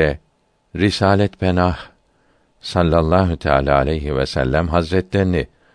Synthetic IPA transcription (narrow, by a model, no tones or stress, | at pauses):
ɛ | ɾisaːlʲɛt̪benah | salʲːalˠːaːɦut̪ʰa̰ːlʲaːa̰lʲɛjɦivɛ̰sæ̰lʲːæmɦazɾɛt̪ʰlʲeɾini